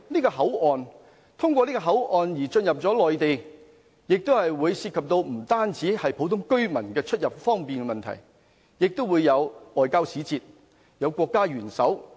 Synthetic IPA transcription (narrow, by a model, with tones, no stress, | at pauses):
niː˥kɔː˧ɦɐ˨˥wʔɔː˨n | t̪ʰʊ˥ŋkʷɔː˧niː˥kɔː˧ɦɐ˨˥wʔɔː˨njiː˨˩t͡sɵ˧njɐ˨p̚t͡sɔː˨˥lɔː˨jt̪e˨j | jɪ˨k̚t̪o˥whɐ˨jwuː˨˧jsiː˧t̚kʰɐ˨p̚t̪o˧wm̩˨˩t̪aː˥nt͡siː˨˥hɐ˨jpʰo˨˥wt̪ʰʊ˥ŋkɵ˥ɥmɐ˨˩nkɛː˧t͡ʃʰɵ˥t̚jɐ˨˩p̚fɔː˥ŋpiː˨nkɛ˧mɐ˨nt̪ʰɐ̰˨˩j | jɪ˨k̚t̪o˥wuː˨˧jːɐ˨˧wɔː˨jkaː˥wsiː˨˥t͡siː˧t̚ | jɐ˨˧wkʷɔː˧kːaː˥ɥyː˨˩nsɐ˨˥w